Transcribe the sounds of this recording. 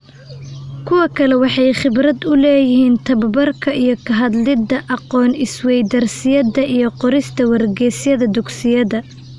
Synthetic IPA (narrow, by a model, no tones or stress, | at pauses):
kʰʊwɐkʰɐlɛwɑħɑjχɪbɾɐd̪ʊlɛːjɪɦiːnt̪ʰɐbɐbɐrkʰɐijɞkʰɐɦɐd̪lɪd̪ɐʔɑqɔːnɪswɛjd̪ɐrsɪjɐd̪ɐʔijɞqɔɾɪst̪ʰɐwɐrɡɛːsjɐðɐd̪ʊɡsɪjɐðɐ